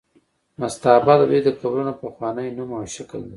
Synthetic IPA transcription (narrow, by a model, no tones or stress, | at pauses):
mast̪ɑbɑd̪awed̪əkabɾunapaxwɑnəjnumawʃakəld̪e